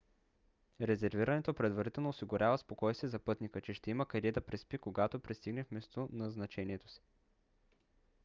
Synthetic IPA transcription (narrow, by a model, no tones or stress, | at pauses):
ɾɛzɛɾviɾɐnɛt̪opɾɛd̪vɐɾit̪ɛlˠnoːsiɡʊɾʲʔavəspokɔjst̪ɛzɐpɤt̪nikət͡ʃɛʃt̪ɛiməkɐɾɛd̪ɐpɾɛspikoɡat̪opɾɛst̪iɡnɛfmɛst̪onɐznɐt͡ʃɛniɛt̪o̥si̥